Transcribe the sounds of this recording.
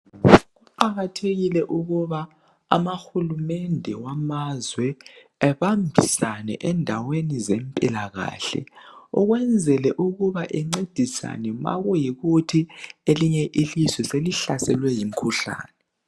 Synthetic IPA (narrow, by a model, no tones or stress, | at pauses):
ɣuǃaɣatʰeɣilɛʔuɣuβa̰ː | maxulumɛndʱɛwamazwɛ | ɛβambʱisanɛ̰ʔɛndʱawenizɛmpʼilaɣa̰ːɬɛ̰ɔɣwɛnd͡zʱɛlɛʔuɣuβaʔɛŋ͡ǀed̥ʱisa̰nɛma̰ɣujiɣutʰieliɲɛʔilizwɛseliɬasɛlwɛjim̩kʰuɬa̰ːnɛ